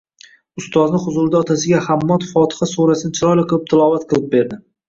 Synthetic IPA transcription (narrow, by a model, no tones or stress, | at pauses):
ʊst̪ɒznɪχʊzʊɾd̪aɒt̪ʰasɪɡʲahamːɒt̪fɒt̪ʰɪ̥χasoɾasɪnɪt͡ʃʰɪɾɒjlaqʰɨlˠɪp̚t̪ʰɪlˠɒvat̪qʰɨlˠɪp̚be̞ɾd̪ɪ